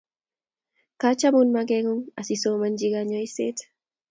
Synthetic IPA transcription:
kat͡ʃamunmaɡɛŋuŋasisomand͡ʒiɡaɲɔiset

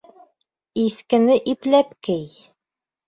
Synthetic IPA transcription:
iθkɘ̆nɘʔiplæpkɘj

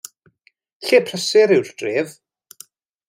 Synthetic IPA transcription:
ɬeːpʰrəsɪɾɪwrd̥eːv

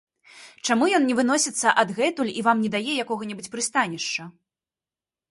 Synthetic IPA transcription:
t͡ʂamujɔnnʲɛvɨn̪ɔsʲit̪sːɐʔɐd̪ɣɛt̪ulʲivamnʲɛd̪ajɛjakɔɣɐnʲɛbɨt͡sʲpɾɨst̪anʲɛʂt͡ʂɐ

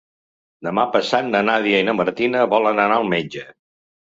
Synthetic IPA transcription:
d̪əmapəsat̪nənaðiəinəməɾt̪inəβɔlənənaəlˠmed͡ʒə

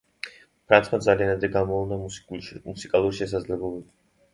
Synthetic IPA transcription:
pʰɾant̪sχʰmad̪zalianad̪ɾɛɡamɔlˠnamusikʼalˠuɾiʃɛs̬ad̪zlɛblɔbɛbi

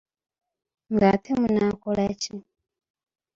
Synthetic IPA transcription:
ŋɡat̪ʰɛmunakɔlat͡ʃi

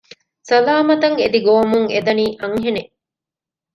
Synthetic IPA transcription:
sɐlaːmɐt̪ɐŋed̪iɡoːmuŋed̪ɐniːʔɐŋɦene

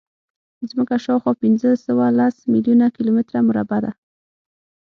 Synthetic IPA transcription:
zməkaʃawxɑpɪnzəsəwalasmɪljunakilomɪt̪ɾamʊɾabad̪a

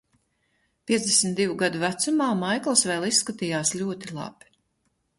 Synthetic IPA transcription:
pʲiɛzd̪esmʲt̪d̪ivuɡad̪uvæt̪sumaːmajklˠsvɛːlˠisːkat̪ijaːslʲuɔt̪ilˠɑ̰b̥ʲ

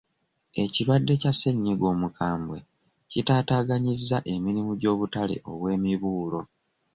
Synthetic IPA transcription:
e̞ciɾwadːe̞case̞ɲːiɡo̞ːmukʰaːmbwe̞ | citaːtaːɡaɲizːaʔe̞miɾimuɟo̞ːβutale̞̰ʔo̞̰βwe̞ːmiβuːlo̞

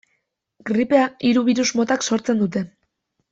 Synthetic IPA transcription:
ɡ̥ɾipe̞aiɾuβiɾuzmo̞t̪akso̞ɾt͡se̞nd̪ut̪e̞

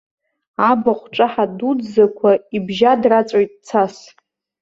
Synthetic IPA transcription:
abaχʷʈ͡ʂʼaħadud͡zzakʷʰaibʒadrat͡sʼajtʼt͡sʰas

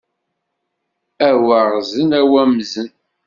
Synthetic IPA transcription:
æwəʁzənæwæmzən

